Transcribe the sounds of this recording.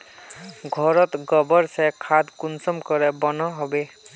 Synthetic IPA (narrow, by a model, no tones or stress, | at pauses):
ɡʱɔɹɔt̪ɡɔbɔɹsɛkʰad̪kunsɔmkɔɹɛbɔnɔɦɔbe